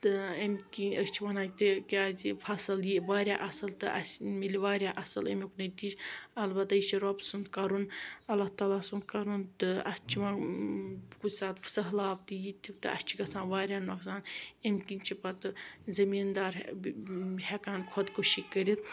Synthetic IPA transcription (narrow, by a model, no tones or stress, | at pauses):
t̪ɨemʲkinʲəst͡ʃʰiʋɐnaːt̪ikʲaːzifʰɐsɨljiʋaːɾʲjaːʔɐsɐlt̪ɨʔɐ̰smilʲiʋaːɾʲjaːʔɐsɨlɐmʲiknɐt̪isɐlbɐt̪ːajiʃiɾoːpsɨnd̪kɐɾunɐlːaht̪aːlaːsund̪̚kɐɾunt̪ɨɐ̰st͡ʃʰiʋãː | kusaːt̪fsɐɦlaːp̚t̪ɨjit̪ʲʰit̪ɨ̰ɐ̰st͡ʃʰiɡɐsãːnʋaːɾʲjaːnɐksaːnemʲkint͡ʃʰipɐt̪ɨzɐmiːnd̪aːɾ | hekaːnkʰot̪koʃikəɾit̪̚